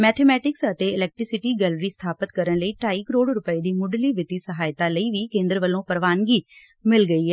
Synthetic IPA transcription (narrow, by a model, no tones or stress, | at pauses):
mɛːt̪ʰɛmɛːʈɪksət̪eɪlɛːk̚ʈɾɪsɪʈiːɡɛːlɾiːst̪ʰaːpət̪kəɾənləiːʈaːiːkəɾoːɖɾʊpəiːd̪iːmʊɖliːʋɪt̪iːsəɦaːjt̪aːləiːʋikẽːnd̪ɾəʋəlːõːpəɾʋaːnɡiː | mɪlɡəiːɦɛː